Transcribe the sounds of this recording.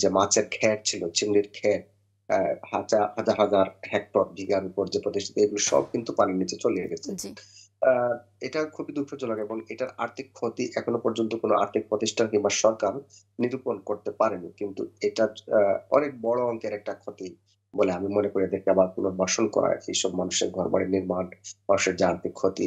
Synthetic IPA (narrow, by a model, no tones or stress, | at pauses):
d͡ʑemat͡ɕeɾkʰɛɾt͡ɕʰilot͡ɕʰimɖiɾkʰɛɾ̚ | hat͡ɕahad͡ʑaɾɦad͡ʑaɾɦɛk̚ʈoɾ̚bʱiɡeamipoɾd͡ʑepɾot̪iʃʈʰat̪eeɡuliʃɔ̰b̚kint̪upanenːid͡ʑet͡ɕoliḛɡɛt͡ɕʰen | eʈakʰubid̪ukʰːod͡ʑolaɡeeboŋeʈaɾaɾt̪ʰikʰːot̪iʔɛkʰonopɔɾd͡ʑont̪okonoʔa̰ɾt̪ʰik̚pɾot̪iʃʈʰankimbaɾʃɔɾkaɾ | niɾuponkoɾt̪epaɾenikint̪ṵeʈaɾɔ̰nek̚bɔɽoɔŋkɛɾek̚ʈaɾkʰot̪i | boleamimonekoɾiad̪eɾkeabaɾkonobɔʃonkɔ̰ɾa̰kʰiʃɔbmanuʃekɡʱɔɾba̰ɽeniɾmanbaʃeɾd͡ʑaaɾt̪ʰikʰːot̪ḭ